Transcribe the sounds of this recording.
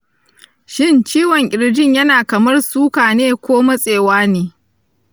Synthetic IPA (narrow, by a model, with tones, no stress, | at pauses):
ʃɪ˦˨nt͡ʃiː˦wɔ˨ŋʔʲʼɪ˨ɾd͡ʒɪ˦˨ɲjɐ˦naː˨kɐ˨mɐ˦rsuː˦kaː˨neː˦kʷoː˦ma˦sʼeː˨waː˦neː˨